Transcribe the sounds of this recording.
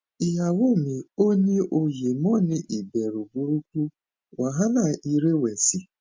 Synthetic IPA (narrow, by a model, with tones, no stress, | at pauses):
i˨ɦa˨wo˦˨mi˨o˦ɲe˦ʔo˨je˨mɔ˦nɪ˦ʔi˨be˨ɾu˨bu˦ɾu˦kʷu˦ | wa˨ɦa˦na˨ʔi˦ɾe˦we˨si˨